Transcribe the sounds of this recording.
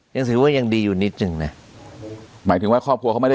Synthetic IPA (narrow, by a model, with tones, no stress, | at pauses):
ja˧ŋs̬ɯː˨˦waː˥˩˨ja˧ŋdiː˧juː˨˩ni˦˥t̪̚nɯ˨˩ŋna˦˥ | maː˩˦jt̪ʰɯ˩˦ŋwaː˥˩kʰɔː˥˩p̚ʰu˧kʰa˦˥˩m˥˩a˥˩